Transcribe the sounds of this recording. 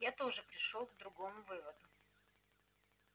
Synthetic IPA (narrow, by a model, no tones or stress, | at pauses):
jat̪o̞ʐɨpɾʲɪʂolˠɡd̪ɾʊɡo̞mʊvɨvəd̪ʊ